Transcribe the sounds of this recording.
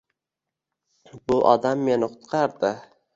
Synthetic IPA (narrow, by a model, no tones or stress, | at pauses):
bʊʔɒ̰d̪amːe̞nɪqʰʊ̥t̪qʰɑɾd̪ɪ